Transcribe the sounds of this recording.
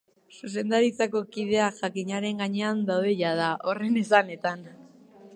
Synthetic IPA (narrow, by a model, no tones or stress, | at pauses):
sus̬e̞nd̪aɾit͡sako̞kið̞e̞aʝakiɲaɾe̞ŋɡaɲe̞and̪awðe̞ʎaðao̞re̞nes̬ane̞t̪an